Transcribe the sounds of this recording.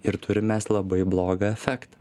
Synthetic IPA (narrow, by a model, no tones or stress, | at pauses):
ɪɾt̪ʊɾʲɪmʲeːslˠɐbɐɪblˠoːɡɑɛfʲæːkt̪ɐ̥